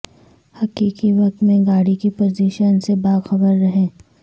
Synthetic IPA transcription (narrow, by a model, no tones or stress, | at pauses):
hɐqiːkiʋɐk̚t̪mẽɡaːɽikipoːziːʃənsebaːd̪xɐbəɾːɐɦẽː